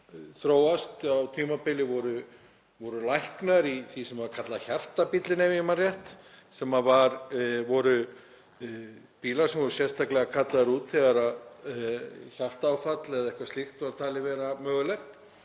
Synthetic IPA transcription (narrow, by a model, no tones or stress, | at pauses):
θɾoːwast̪awt̪ʰiːmapɪlɪvɔɾʏ | vɔɾʏlajhknaɾiθisɛmvaɾkʰat̪laçar̥t̪apit̪lɪnɛvjɪmarjɛht̪ | sɛmavaɾvɔɾʏ | piːlaɾ̥sɛmvɔɾʏsjɛst̪ʰaklɛɣakʰat̪laðaɾuːt̪θɛɣaɾað | çar̥t̪aːwfat̪lɛðɛhkvast̪ɪxt̪vaɾ̥t̪ʰaːlɪvɛːɾamœːɣʏlɛxt̪